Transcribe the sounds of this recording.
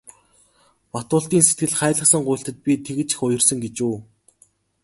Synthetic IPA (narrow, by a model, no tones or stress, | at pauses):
mat̪ʊːɬt̪iːnset̪ɡɘ̆ɮχæːɮə̆χsə̆ŋɢʊjɬt̪ə̆t̪̚pʲit̪ʰeɣɘ̆t͡ɕi̥xʊjɞ̆rsə̆ŋɡet͡ɕuː